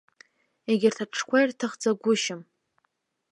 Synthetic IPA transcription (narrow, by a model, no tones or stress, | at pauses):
eɡʲɪrtʰaʈ͡ʂʰkʷʰajrtʰɨχd͡zaɡʷʊʃɪm